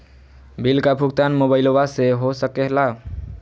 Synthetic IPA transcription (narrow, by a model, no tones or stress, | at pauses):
bilkapʰukt̪anmobaɪlowaseɦosəkela